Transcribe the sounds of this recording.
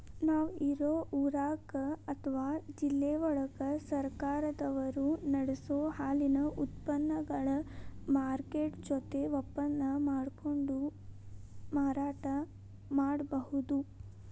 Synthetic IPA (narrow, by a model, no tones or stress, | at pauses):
naːʋiɾoːʔuɾaːkɐt̪ʰɐʋaːd͡ʒilːeːʋɔɭɐkɐsɐɾkaːɾɐd̪ɐʋɐɾunɐɽesoːhaːlinɐʔut̪pɐnːɐɡɐɭɐmaːɾkeːʈd͡ʒɔt̪e̞ʋɔpːɐnːɐmaːɽkoɳɖu | maːɾaːʈɐ | maːɽbɐɦud̪u